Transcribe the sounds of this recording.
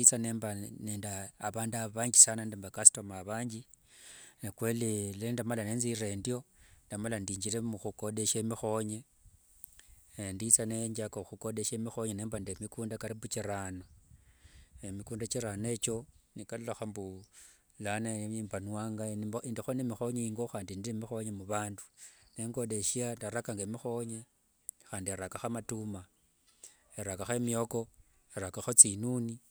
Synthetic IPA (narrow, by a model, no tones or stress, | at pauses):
t͡sane̞ːmbaneːndaːβaːndaβaɲɡisanandembakasi̥tomaβaːɲɟi | nakwe̞lilendamalaneːnzirendjo̞ndamalandiːɲd͡ʒilemuxuko̞de̞ʃemixo̞ɲe̞ | ndit͡saneɲd͡ʒakoxuko̞de̞ʃemixo̞ɲene̞ːmbandemikuːndakaɾimut͡ʃiɾana | emikuːndat͡ʃiɾane̞t͡ʃo̞nikalulaxambu | lanaiːmbanwaːŋɡanindixonemixo̞ɲeiŋɡoxaːndindiemixo̞ɲemuβaːndu̥ne̞ŋɡo̞de̞ʃiandaɾakaŋɡemixo̞ɲe | xaːndieɾakaxamatuma | eɾakaxemioko | eɾakaxot͡sinuːni